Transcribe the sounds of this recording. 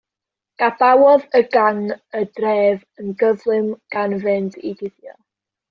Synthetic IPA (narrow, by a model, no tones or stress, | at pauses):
ɡ̥ab̥awɔðəɡaŋədrɛːv | ənɡəvlˠɨmɡ̥anvɛndiɡɪθjɔ̰